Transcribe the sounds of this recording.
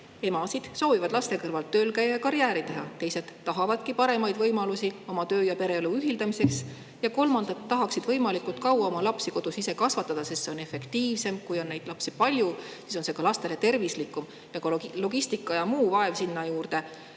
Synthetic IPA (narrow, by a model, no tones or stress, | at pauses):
e̞mɑsid̪̥so̞ːvivɑd̪̥lɑst̪e̞kɤrvɑlt̪ːø̞ːlkæjɑjɑkɑɾjæːɾit̪e̞ɦɑt̪e̞jse̞d̪̥tːɑɦɑvɑd̪̥kipɑɾe̞mɑjd̪vɤjmɑlusio̞mɑt̪ø̞ːjɑpe̞ɾe̞luyɦild̪ɑmise̞ks | jɑko̞lmɑnd̪̥ɑt̪ːɑɦɑksid̪vɤ̞jmɑlikˑult̪kɑwɑo̞mɑlɑpsiko̞d̪̥usise̞kɑsvɑt̪ːˑɑd̪̥ɑsest̪seo̞ne̞fːe̞kt̪iːvse̞mkujo̞nːe̞jd̪̥lɑpsipɑlʲjusiso̞nsekɑlɑst̪e̞le̞t̪e̞rvislikːˑum | jɑkɑlo̞ɡ̥ist̪ikːˑɑjɑmuːvɑe̞vsinːɑjuːrd̪̥e̞